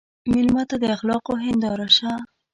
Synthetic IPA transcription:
mɪlmat̪ad̪əaxlɑqoɦɪnd̪ɑɾaʃa

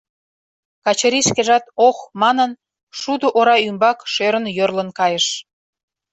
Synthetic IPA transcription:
kɑt͡ɕəɾiʃkeʒɑt̪oxmɑnən | ʃud̪oʔoɾɑymbɑkʃøɾənjørlənkɑjəʃ

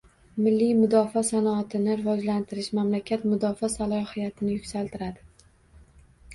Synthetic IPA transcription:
mɪlːijmʊd̪ɒfɒsanɒːt̪ʰɪnɪɾɪvɒd͡ʒlant̪ʰɪɾɪʃmamlakʲʰat̪mʊd̪ɒfɒsalˠɒhɪjat̪ʰɪnɪjʊkʲsalt̪ʰɪɾad̪ɪ

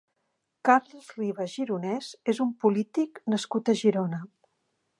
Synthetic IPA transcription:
kaɾləzriβəʒiɾunɛzezumpulit̪iknəskut̪əʒiɾonə

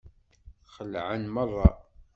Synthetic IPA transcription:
χəlʕənmərˤːɑ

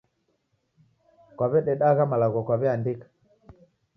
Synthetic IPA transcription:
kwaβɛɗɛɗaɣamalaɣɔkwaβɛandikḁ

